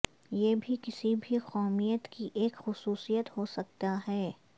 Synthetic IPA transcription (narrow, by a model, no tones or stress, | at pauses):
jeːbʱikɪsibʱiqɔːmijət̪kiʔeːkxʊsuːsijət̪ɦoːsɐk̚t̪aɦɛː